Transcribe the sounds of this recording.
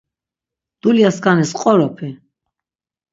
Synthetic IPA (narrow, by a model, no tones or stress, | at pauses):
d̪̥uliaskʼanɛsqʼɔɾɔpʰɛ